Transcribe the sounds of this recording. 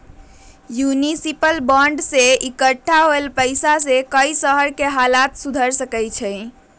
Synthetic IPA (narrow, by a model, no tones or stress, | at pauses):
junisipəlbɔɳɖseikəʈʰːaɦoelpəɪsasekəjsəɦəɾkeɦalat̪sud̪ʱəɾsəkɛjt͡ʃʰɛj